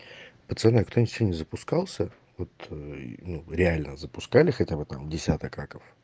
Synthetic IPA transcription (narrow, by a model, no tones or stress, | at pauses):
pət̪sɨɛnəjkt̪onʲɪt̪ʲfʲsʲenʲɪzəpʊskalˠsʲə | vot̪nuɾʲɪalʲnəzəpʊskalʲɪxɐtʲabɨt̪a̰mdʲɪsʲat̪əkakəf